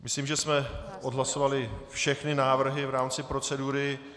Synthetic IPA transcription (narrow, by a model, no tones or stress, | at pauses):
mɪsliːmʒɛsmɛʔodɦlaso̞valɪfʃɛxnɪnaːvr̩ɦɪvɾaːmt͡sɪpɾo̞t͡sɛduɾɪ